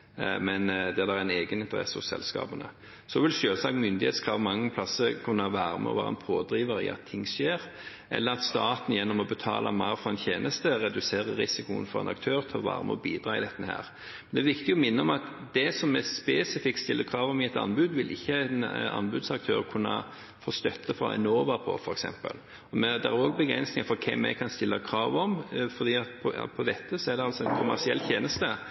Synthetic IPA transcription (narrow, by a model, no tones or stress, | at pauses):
mɛnd̪ɛd̪ææɛneːɡənɪnt̪əɾɛ̰sːəɔsɛ̰lskɑ̰ːbənə̰ | sɔʋɪlʃøːlsɑːkmʏnd̪ɪheːt̪skʰʁɑːʋmɑŋːəp̪ʰɑsəkʰʉnːəhɑʋæːɾəmɛ̰ɔ̰ʋæːɾɛ̰npʰoːd̪ɾiːʋəɾḭɑ̰t̪ʰːɪŋːʂeːɾ | ʔɛ̰lːəɾɑt̪st̪ɑːt̪njɛnːɔmɔbət̪ʰɑ̰ːlʔɑ̰mɑɪɾfɾɑɛnt̪çʰjeːnʔəst̪əɾɛd̪ʉseːɾəɾɪsɪkʊə̰nfɔɾɛ̰nɑk̚t̪ʰøːɾt̪ʰɪlɔʋæ̰ːɾmʔəɔbiːd̪ɾɑːɪd̪ɛt̪ːəhæ̰ːɾ | mɛɛnd̪ɛæːɾʋɪkt̪ɪɡɔmɪnːəɔmɑt̪d̪ɛsɔmːɛspeːsɪfɪkt̪st̪ɪlːəkʰɾɑːʋɔmɪɛt̪ɑ̰nːbʉd̪ʋɪlʔɪçːəɛnɑ̰nbʉd̪sɑk̚t̪ʰøːɾkʰʉnːə̰ | foːst̪œt̪ːəfɾɑ̰ɛ̰noːʋɑpʰɔ̰fɔɾɛksɛ̰mpə̰l | ɔmɛd̪æɾoːɡbəɡɾɛ̰nsnɪŋəfɔɾkʰɛmːɛ̰kʰɑnst̪ɪlːəkʰɾɑːʋɔmfɔd̪iːɑt̪pʰɔpʰɔd̪ɛt̪ʰːəsɔɛd̪ɛɑlsɔɛnkʰʊmæʁsɪɛlːt̪ʰjeːnəst̪ə